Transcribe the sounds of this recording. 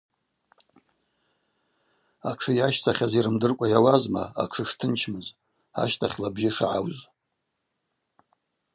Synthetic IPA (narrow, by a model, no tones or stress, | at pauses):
aʈ͡ʂʰɨjaʃt͡sʰaχʲaziɾɨmdɨrkʷʼajawazma̰a̰kʰɨʂtʰɨnt͡ʃʰmɨz | a̰ʃtʰaχʲlabʒɪʂa̰ʕawz